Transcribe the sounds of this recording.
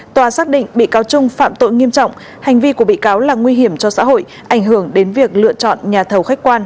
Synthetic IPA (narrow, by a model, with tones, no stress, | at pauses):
t̪waː˨˩saː˦˥k̚ɗḭ˧˨ŋɓḭ˧˨kaː˨˦wt͡ɕʊ˧ŋ͡mfa̰ː˧˨mt̪o̰˧˨jŋi˧əmt͡ɕɔ̰˧˨wŋ͡m | ha˨˩jŋ̟vi˧ku˧˩əɓḭ˧˨kaː˨˦wlaː˨˩ŋwi˧ɦi˧˩əmt͡ɕɔ˧sa̰ː˧˥ɦho̰˧˨j | ʔa˧˩jŋ̟ɦɨ˧˩əŋɗe˨˦nvi˨˩ək̚lɨ̰˧˨ət͡ɕɔ̰˧˨nɲaː˨˩t̪ʰə˨˩wxa˦˥jk̟̚kwaː˧n